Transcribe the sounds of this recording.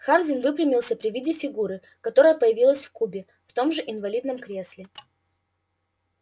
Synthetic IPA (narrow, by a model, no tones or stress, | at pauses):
xardʲɪnvɨpɾʲɪmʲɪlˠsʲəpɾʲɪvʲidʲɪfʲɪɡuɾɨ | kɐt̪o̞ɾəjəpəjɪvʲilˠəsʲfkubʲɪ | ft̪o̞mʐɨʔɪnvɐlʲid̪nəmkɾʲe̞sʲlʲɪ